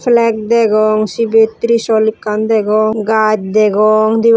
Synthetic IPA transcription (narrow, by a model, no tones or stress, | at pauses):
pʰlɛk̚d̪ɛɡɔŋsibet̪ːɾisɔlikːand̪ɛɡɔŋɡad͡ʒ̚d̪ɛɡɔŋd̪i